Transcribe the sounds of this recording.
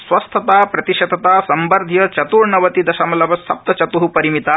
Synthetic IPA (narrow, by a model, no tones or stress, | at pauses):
sʋɐst̪ʰɐt̪aːpɾɐt̪iʃɐd̪ɐt̪aːsɐmbɐɾd̪ʱjɐt͡ʃɐt̪uːɾɳɐʋɐt̪id̪ɐʃɐmɐlɐʋɐsɐ̰p̚t̪ɐt͡ʃɐt̪uɦupɐɾimit̪aː